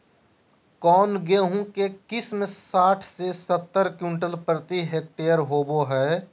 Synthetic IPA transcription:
kɔːnɡeːɦũkekɪsmesaːʈʰsesət̪ːəɾkjuːnʈəlpɾət̪iɦeːk̚ʈeːjəɾɦoːboɦɛː

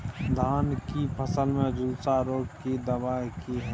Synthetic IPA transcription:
d̪ʱaːnkipʰəsəlmẽəd͡ʒulsaɾoːkked̪əbaːjkiɦɛ

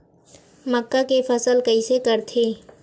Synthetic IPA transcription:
məkːakepʰəsəlkəisekəɾt̪ʰeː

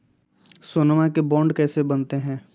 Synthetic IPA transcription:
soːnəmakebɔ̃ːɳɖkɛːsebɐnt̪eɦɛ̃ː

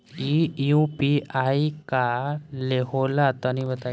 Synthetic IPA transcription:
iũpiaikaleɦolat̪aniʋət̪a

